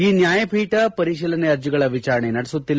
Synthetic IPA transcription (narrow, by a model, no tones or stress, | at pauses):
iːnjaːjɐpiːʈɐpɐɾiʃiːlɐneɐɾd͡ʒiɡɐɭɐʋit͡ʃaːɾɐɳenɐɽɛsut̪ːilː